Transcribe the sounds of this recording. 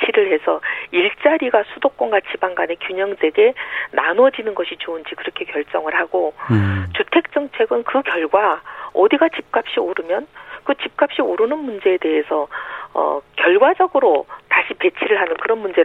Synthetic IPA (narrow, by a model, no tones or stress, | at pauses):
t͡ɕʰiɾɯɭhe̞sʰʌiɭt͡ɕ͈aɾiɡasʰudok͈onɡat͡ɕʰibaŋɡane̞kjuɲʌŋse̞ɡe̞nanʌd͡ʑinɯnɡʌɕʰit͡ɕoɯnd͡ʑikɯɾʌkʰe̞kjʌɭt͡ɕ͈ʌŋɯɭhaɡot͡ɕutʰe̞k̚t͡ɕ͈ʌŋt͡ɕʰe̞ɡɯnkɯkjʌɭɡwaʌdiɡat͡ɕip̚k͈ap̚ɕ͈ioɾɯmjʌnkɯt͡ɕip̚k͈ap̚ɕ͈ioɾɯnɯnmund͡ʑe̞ːde̞ɦesʰʌʌ̰kjʌɭɡwad͡ʑʌɡɯɾotaɕʰipe̞t͡ɕʰiɾɯɭɦanɯnkɯɾʌnmund͡ʑe̞